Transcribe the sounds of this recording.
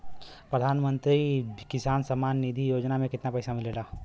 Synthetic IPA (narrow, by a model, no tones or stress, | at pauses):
pɾəd̪ʱaːnmə̃nt̪ɾikɪsaːnsəmaːnːid̪ʱijoːd͡ʒnamẽkɪt̪napɐːsamɪlelaː